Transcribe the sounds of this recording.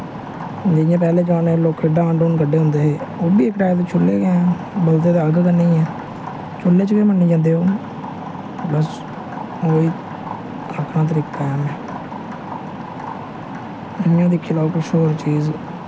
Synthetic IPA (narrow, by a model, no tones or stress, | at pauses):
d͡ʒɪjãːpɛːleːd͡ʒãːneːloːkʰɪɖaːaːɳɖoːnkəɖeːɦʊ̃nd̪eːɦeːoːbiːekːʈaːt̪eːt͡ʃʰʊlːeːɡeɛ̃ː | bəlt̪eːeəlɡkənːĩːɛ̃ː | t͡ʃʊlːeːt͡ʃəkeːmənːiːd͡ʒãːnd̪eːɦoː | bəs | oːiː | əkʰnãːt̪̬əɾiːkːaːɛːmɛ̃ː | ɪjãːd̪ikʰːiːlaːukɪʃoːɾt͡ʃiːz